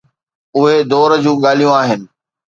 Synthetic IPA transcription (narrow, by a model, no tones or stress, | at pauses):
ʊɦed̪oːɾəd͡ʑũːɠaːlijũaːɦɪnɪ̆